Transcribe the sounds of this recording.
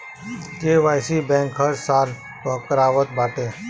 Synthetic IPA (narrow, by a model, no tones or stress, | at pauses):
k̪eːʋaːjsibɛ̃ːŋkɦəɾsaːl | kɔːkəɾaːʋət̪̚baːʈeː